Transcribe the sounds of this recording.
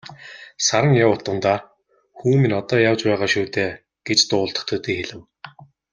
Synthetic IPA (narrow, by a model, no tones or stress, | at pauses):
saɾə̆ŋjawʊt̪ə̆nt̪aː | xuːminɔt̪ɔːjawt͡ɕpæːʁaːʃuːt̪eː | ɡ̥et͡ɕt̪ʊːɮt̪ə̥̆χt̪ʰɵt̪iːxeɮɘ̆w